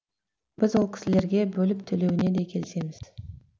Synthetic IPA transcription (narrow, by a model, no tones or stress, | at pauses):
b̥ɪzwo̞lˠkʲʰɪ̥sɪle̞ɾɡʲe̞bɵlɪpt̪ʰɵle̞wɪne̞d̪e̞kʲʰe̞lɪse̞mɪz̥